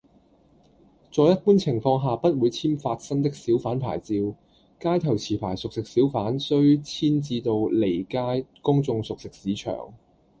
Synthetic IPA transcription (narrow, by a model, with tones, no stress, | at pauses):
t͡sɔː˧jɐ˥t̚puː˥nt͡sʰɪ˨˩ŋfɔː˧ŋɦaː˨pɐ˥t̚wuː˨˧jt͡sʰiː˥mfaː˧t̚sɐ˥ŋt̪̬ɪ˥k̚siː˨˥wfaː˨˥npʰa̰ː˨˩jt͡siː˧w | kaː˥jt̪ʰɐ˨˩wt͡sʰiː˨˩pʰa̰ː˨˩jsʊ˨k̚sɪ˨k̚siː˨˥wfaː˨˥nsɵ˥ɥt͡sʰiː˥nt͡siː˧t̪o˨˧wle˨˩jkaː˥jkʊ˥ŋt͡sʊ˧ŋsʊ˨k̚sɪ˨k̚siː˨˥t͡ʃʰœ̰ː˨˩ŋ